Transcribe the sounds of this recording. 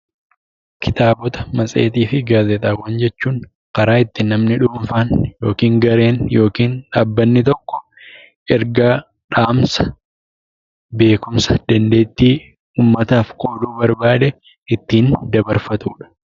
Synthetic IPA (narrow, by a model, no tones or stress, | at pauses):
kʰɪt̪aːbɔt̪ɐ̥mɐsʼeːt̪iːfɪɡaːzɛt̪ʼaːwːɐnd͡ʒɛt͡ʃːuːŋ | kɐɾaːɪt̪ːɪnɐmnɪᶑuːɱfaːnjo̞ːkiːŋɡɐɾe̞ːnjo̞ːkiːnᶑaːbːɐnːɪt̪ɔkːɔ̥ | ɛɾɡaː | ᶑaːmsɐ̥ | be̞ːkʊmsɐ̥d̪̥ɐnd̪e̞ːt̪ːiː | uːmːɐt̪aːfkʼo̞ːd̪uːbɐɾbaːd̪ɛ | ɪt̪ːiːnd̪ɐbɐɾfɐt̪uːᶑɐ̥